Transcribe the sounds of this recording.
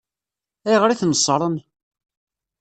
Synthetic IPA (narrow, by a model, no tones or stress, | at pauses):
æjʁɾiθnəsˤːɾˤən